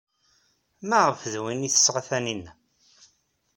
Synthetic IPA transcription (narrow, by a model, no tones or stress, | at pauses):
mæʁəfðwiniθə̥sːʁaθæninːæ